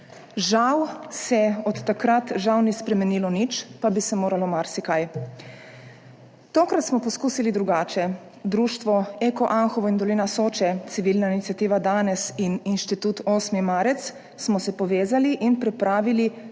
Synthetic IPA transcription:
ʒawsɛɔt̪ːakɾat̪ʒawnispɾɛmɛnilɔnit͡ʃpabisɛmoːɾalɔmaɾsikaj | t̪oːkɾat̪smɔpɔskuːsilid̪ɾuɡaːt͡ʃɛ | d̪ɾuːʃt̪ʋɔeːkɔʔanxɔʋɔind̪ɔliːnasoːt͡ʃɛt̪siʋiːlnainit̪sjat̪iːʋad̪aːnɛsininʃt̪it̪uːt̪oːsmimaːɾɛt̪s | smɔsɛpɔʋeːzaliʔinpɾɛpɾaːʋili

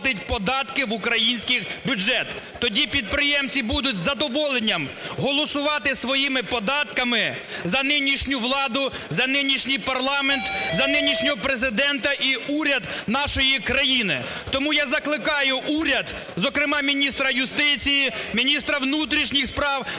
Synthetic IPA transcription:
t̪ɪtʲpɔd̪ɑt̪kɪʋʊkɾɐjinʲsʲkʲɪxbʲʊd͡ʒɛt̪ːɔdʲipʲid̪̚pɾɪjɛmt͡sʲibud̪ʊtʲzɐd̪ɔʋɔlˠenʲːɐmɦɔlˠɔsʊʋɑt̪ɪsʋɔjimɪpɔd̪ɑt̪kɐmɪ | zɐnɪnʲiʃnʲʊʋlˠɑd̪ʊ | zɐnɪnʲiʃnʲijpɐrlˠɑment̪zɐnɪnʲiʃnʲɔɦɔpɾezɪd̪ɛnt̪ɐʔiuɾʲɐd̪nɑʃɔjikɾɐjinɪ | t̪ɔmujazɐklˠɪkɑjʊʔuɾʲɐd̪ | zɔkɾɪmɑmʲinʲist̪ɾɐjʊst̪ɪt͡sʲijimʲinʲist̪ɾɐʋnut̪ɾʲiʃnʲixspɾɑw

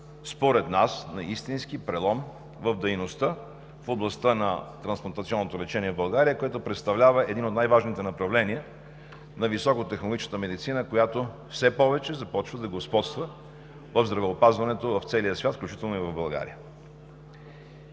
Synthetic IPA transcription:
spoɾɛd̪nasnɐist̪inskipɾɛlˠɔm | vəvd̪ɛjnost̪ə | foblˠɐst̪ənɐt̪ɾɐnsplˠɐnt̪t̪siɔnːot̪olɛt͡ʃɛniɛvbɐlˠɡaɾijəkoɛt̪opɾɛt̪st̪ɐvlʲavɐɛd̪inot̪najvaʒnit̪ɛnɐpɾɐvlɛniɛ | nɐvisɔkot̪ɛxnolˠoɡʲit͡ʃnət̪əmɛd̪it̪sinəkojat̪o | fsɛpɔvɛt͡ʃɛzɐpɔt͡ʃvəd̪ɐɡospɔt̪st̪və | vɐvzd̪ɾɐvɛopazvɐnɛt̪ovɐft̪sɛlijəsvʲat̪fklʲʉut͡ʃit̪ɛlˠnoivɐvbɐlˠɡa̰ɾḭjə

